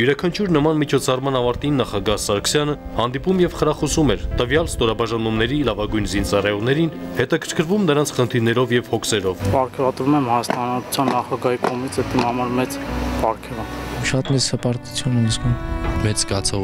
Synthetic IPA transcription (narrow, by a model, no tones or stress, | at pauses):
juɾɑkʰɑnt͡ʃʰuɾnəmɑnmit͡ʃʰɔt͡sʰɑrmɑnɑvɑɾt̪inːɑχɑɡɑhsɑɾkʰə̥sjɑnə | hɑnd̪ipumjɛvχəɾɑχɔsumɛɾt̪əvjɑlst̪ɔɾɑbɑʒɑnumnɛɾilɑvɑɡujnzint͡sɑrɑjɔʁnɛɾinhɛt̪ɑkʰəɾkʰəɾvumnəɾɑnt͡sʰχənt̪ʰiɾnɛɾɔvjɛvhɔkʰsɛɾɔvpɑɾkʰɛvɑt̪ɾumɛmhɑjɑst̪ɑnɑt̪u̥t͡sʰjɑnːɑχɑɡɑhikɔmit͡sʰɛt̪imɑmɑɾmɛt͡spɑɾkʰɛvɑʃɑt̪mɛt͡ssəpɑɾt̪ut͡sʰjunɛniskʰənmɛt͡sɡɑt͡sʰɔ